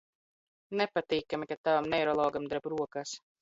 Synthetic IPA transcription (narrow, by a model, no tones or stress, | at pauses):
nɛpat̪iːkamʲikat̪avamnɛjɾɔlˠɔːɡamd̪aɾbɾuɔkas